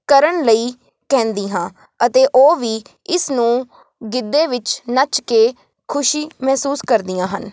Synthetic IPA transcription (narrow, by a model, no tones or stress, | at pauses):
kəɾəɳləiː | kɛ̃ːnd̪iːɦãː | ət̪eːʔoːʋiː | ɪsnũː | ɡɪd̪ːeːʋɪt͡ʃnət͡ʃkeː | kʰʊʃiːmɛːsuːskəɾd̪ɪjãːɦən